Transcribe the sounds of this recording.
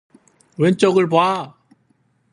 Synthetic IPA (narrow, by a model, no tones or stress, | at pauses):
went͡ɕ͈ʌɡɯɭboa